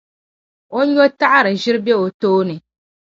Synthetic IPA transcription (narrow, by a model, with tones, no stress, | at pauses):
o˦ɲo˦ta˦ʔa˦ɾɨ˨ʒɪ˦ɾɨ˦bɛ˦o˨toː˦nɨ˨